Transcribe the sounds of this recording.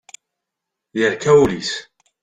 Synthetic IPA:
jəʕkæwlis

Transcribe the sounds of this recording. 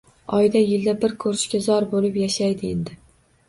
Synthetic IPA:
ɒjd̪ajɪld̪abɪɾkʰɵɾɪʃkʲazɒɾbolɪpjaʃajd̪ɪend̪ɪ

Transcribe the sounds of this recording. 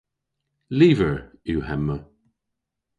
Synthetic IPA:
liːvəɹuːhɛmːə

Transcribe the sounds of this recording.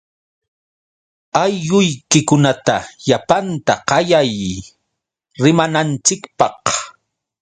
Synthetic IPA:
ajːʊjkɪkʊnat̪aʎapant̪aqɑjaj | ɾɪmanant͡ʃɪkpɑq

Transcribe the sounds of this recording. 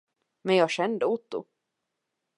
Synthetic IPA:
mɛnjɑːɡɕɛnd̪əʊt̪ːʊ̰

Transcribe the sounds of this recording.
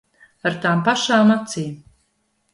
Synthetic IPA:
aɾt̪aːmpaʃaːmat̪siː

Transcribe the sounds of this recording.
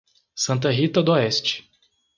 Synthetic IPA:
sɐ̃nt̪̬ɐɦit̪ɐd̪ʊɔɛst͡ʃɪ̥

